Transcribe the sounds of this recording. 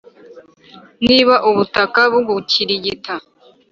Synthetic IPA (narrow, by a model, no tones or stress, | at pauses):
niːβaʔuβutakaβuβucʰiɾiɟita